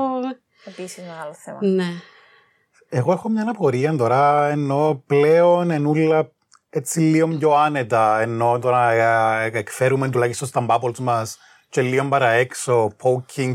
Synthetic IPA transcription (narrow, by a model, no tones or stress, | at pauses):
episizmeɣaloθḛmne | eɣo̞e̞xomɲɐnɐpo̞ɾiɐnt̪o̞ɾɐenːo̞ple̞one̞nulːɐ | et͡sːilːio̞mɟo̞ɐne̞t̪ɐenːo̞t̪oɾɐ | ekfe̞ɾument̪ulɐçist̪ost̪ɐmbɐpolzmɐs | celːio̞mbɐɾɐekso̞pʰowcʰːiŋ